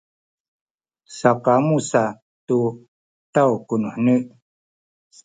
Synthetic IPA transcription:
saqamusa | tu | tawkunuħnəʔ

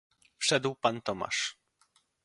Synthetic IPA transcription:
fʂɛd̪wpant̪ɔma̰ʂ

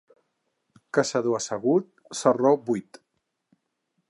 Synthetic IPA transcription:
kasaðoasəɣut̪̚ | sarobujt̪

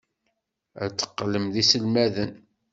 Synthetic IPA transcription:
æ̰t͡sːə̥qːləmðisəlmæðən

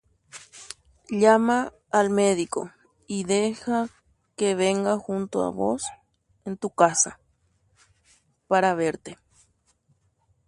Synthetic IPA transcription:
ʎamaː | lmeðiko̰ | iðexa | keβeŋɡaxunt̪oa̰βo̰s | ent̪ukasa̰ | paɾaβeɾt̪e

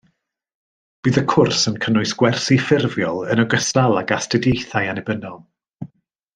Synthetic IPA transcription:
b̥iːðəkʰʊrsənkʰənʊɨsɡ̥wɛrsifɪrvjɔlˠənəɡəstalˠaɡastədejθajanɛbənɔlˠ

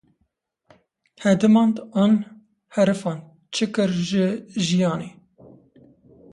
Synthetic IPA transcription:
hɛd̪ɨmɑːnd̪ɑːn | hɛɾɨfɑːn | t͡ʃʰɨkɨɾʒɨʒijɑːneː

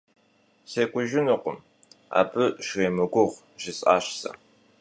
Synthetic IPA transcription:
seːkʷʼʊʒɪnɨqʷʊm | a̰ːbɨʃreːmɨɡʷʊʁ | ʒ̥ɪsʼa̰ːɕsɐ̰

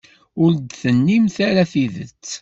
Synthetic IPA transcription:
ʊɾd̪θənːimθaɾaθiðət͡sː

